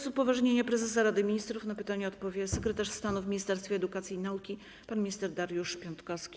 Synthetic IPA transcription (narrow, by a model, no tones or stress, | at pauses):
supːɔvaʐɲeɲɛpɾɛzɛs̬aɾad̪ɘmʲiɲist̪ɾufnapɘt̪aɲɛɔt̪pɔvʲjɛsɛkɾɛt̪aʂst̪anuvmʲiɲist̪ɛɾst̪fʲɛːd̪ukat̪sʲjiːnaukʲi | panmʲist̪ɛɾd̪aɾjuʂpʲɔnt̪kɔskʲi̥